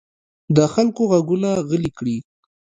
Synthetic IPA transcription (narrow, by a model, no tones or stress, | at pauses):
d̪əxalkoɣaɡunaɣəlikɽi